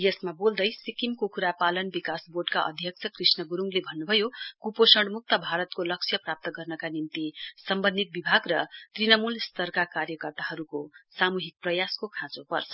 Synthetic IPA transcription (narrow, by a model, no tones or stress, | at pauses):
jʌsmabold̪ʌjsikimkukuɾapalʌnbikasboɖkaʔʌ̰d̪ʱjʌk̚t͡sʰʌkrisnʌɡuɾuŋɡlebʱʌnːubʱʌjokuposʌɽmuk̚t̪ʌbʱaɾʌt̪kolʌksʰjʌprap̚t̪ʌɡʌrnʌkanint̪isʌmbʌnd̪it̪̚bibʱaɡrʌt̪rinʌmulst̪ʌrkakarjʌkʌrt̪aɦʌɾukosamuɦik̚prʌjaskokʰãt͡sopʌrt͡sʰʌ